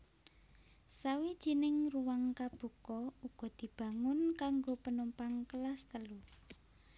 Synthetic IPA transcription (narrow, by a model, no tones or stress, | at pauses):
sawid̥ʒ̥i̤nɪŋruwaŋkab̥ṳkɔuɡ̥ɔ̤d̪̥i̤b̥ä̤ŋʊnkaŋɡopənumpaŋkəlast̪əlu